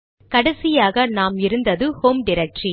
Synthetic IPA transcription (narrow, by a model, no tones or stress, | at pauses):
kɐɽɐsɪjaːɣɐnaːmɪɾɯnd̪ɐðɯhoːmɖɪɾɛk̚ʈri